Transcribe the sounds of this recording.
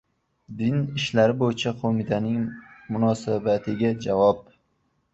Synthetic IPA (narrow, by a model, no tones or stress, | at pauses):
d̪ɪnɪʃlaɾɪbojɪt͡ʃʰaqʰomɪt̪ʰanɪŋmʊnɒsabat̪ʰɪɡʲad͡ʒavɒp̚